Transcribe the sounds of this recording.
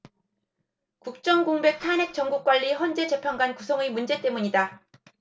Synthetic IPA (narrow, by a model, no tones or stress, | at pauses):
kuk̚t͡ɕ͈ʌŋɡoŋbe̞k̚tʰanɦe̞k̚t͡ɕ͈ʌŋɡuk͈̚waʎːiçʌnd͡ʑe̞d͡ʑe̞pʰjʌnɡwankusʰʌŋemund͡ʑe̞t͈e̞muɲida